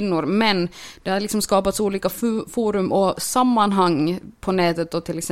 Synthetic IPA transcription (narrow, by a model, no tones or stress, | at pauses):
nːʊɾmɛnd̪ɛhad̪lɪksɔmskɑːpat̪suːliːkaffuːɾɵmʔɔsamːanɦaŋːpʰɔnɛːt̪ət̪̚d̪ɔt̪ʰɪlɛksɛ